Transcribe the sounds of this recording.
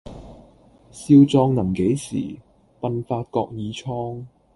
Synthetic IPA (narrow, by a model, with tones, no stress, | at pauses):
siː˧wt͡sɔː˧ŋnɐ˨˩ŋke˨˥jsḭː˨˩ | pɐ˧nfaː˧t̚kɔː˧k̚jiː˨˧t͡ʃʰɔː˥ŋ